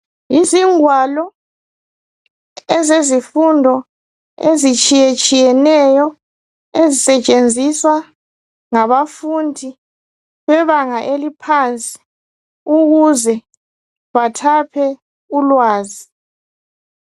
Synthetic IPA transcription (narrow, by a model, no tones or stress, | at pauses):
iziŋwalɔ | ɛzezifundʱɔ | ezit͡ʃʼijɛt͡ʃʼijɛnɛjɔ | ezisɛt͡ʃʼend͡zʱiswa | ŋaβafundʱi | βɛβaŋaʔelipʰant͡sʼi̥ | uɣuzɛ | βatʰapʰɛ | ulwaːzi